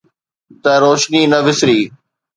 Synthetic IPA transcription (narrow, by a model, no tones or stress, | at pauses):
t̪ɐɾoːʃniːnɐʋɪsɾiː